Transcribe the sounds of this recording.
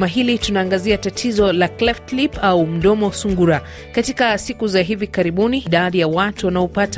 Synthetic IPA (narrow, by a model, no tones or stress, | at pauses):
maɦilitunaːŋɡaziatatʰizɔlaklɛftlipaum̩ɗɔmɔsuŋɡuɾa | katikasikuzaɦivikaɾiɓuniɗaɗijawatuwanaɔpata